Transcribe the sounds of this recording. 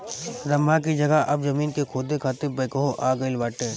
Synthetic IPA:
ɾɐmak̬id͡ʒɐɡəɦʔɐbzɐmiːnkekʰoːd̪ekʰaːt̪ɪbɐɪkəɦoʔaːɡɐɪlʋaːʈeː

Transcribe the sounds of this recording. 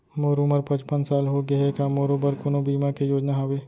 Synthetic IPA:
moːɾuməɾpɐ̃t͡ʃpənsaːlɦoɡɐekamoːɾobəɾkʊnobiːmakejoːd͡ʒnaɦoweː

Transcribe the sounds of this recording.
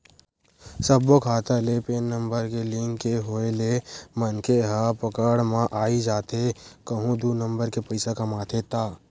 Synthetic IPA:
səbokʰaːt̪alepeːnːə̃mbəɾkelɪ̃ŋkeɦoːelemənkʰeɦapəkəɽmãʔaːid͡ʒaːt̪ekəɦũd̪unə̃mbəɾkepɐɪsakamaːt̪ʰet̪aː

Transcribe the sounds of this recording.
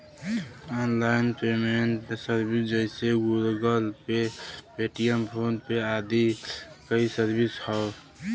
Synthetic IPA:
ɔːnlaɪnpemenʈpesəɾbisd͡ʒəɪseɡulɡəlpepeʈijəmpʰoːnpead̪ikəisəɾbishɔ

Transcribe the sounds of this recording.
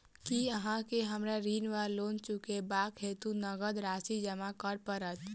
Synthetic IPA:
kiəɦãkeɦəmɾaɾiːnʋaɾloːnt͡ʃukebaːkɦeːt̪unəɡəd̪ɾaːsid͡ʒəmakəɾpəɾət̪

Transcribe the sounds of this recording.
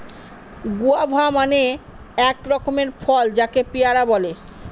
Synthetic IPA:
ɡuabʱamane | ɛkɾɔkomeɾfʰɔld͡ʑakepijaɾabɔle

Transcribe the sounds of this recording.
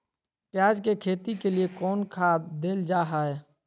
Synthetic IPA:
pjaːd͡ʒkekʰeːt̪ikeliekɔːnkʰaːd̪eːld͡ʒaːɦaɛ

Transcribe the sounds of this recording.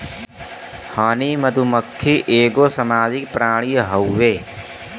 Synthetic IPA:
haːniməd̪ʱuməkʰːiʔeːɡoːsəmaːd͡ʒik̚pɾaːɽ̃iɦəwːeː

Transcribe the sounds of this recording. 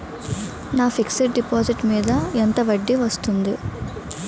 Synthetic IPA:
naːpʰiksiʈ̚ɖipoːsiʈmiːd̪ɐɛnt̪ɐʋɐɖːiʋɐst̪und̪i

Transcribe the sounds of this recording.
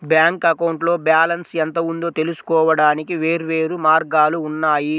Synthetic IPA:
bjaːŋkɐkɐwɳʈlo̞ːbjaːlɐnsɛnt̪ɐund̪oːt̪e̞lusu̥kɔːʋɐɽaːnikiʋe̞ːɾuʋe̞ːɾumaːɾɡaːluːnːaːji

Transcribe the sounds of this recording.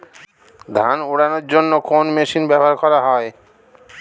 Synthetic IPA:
d̪ʱanuɽanoɾd͡ʑonːokonmeʃinbɛboaɾkɔɾaɦɔe

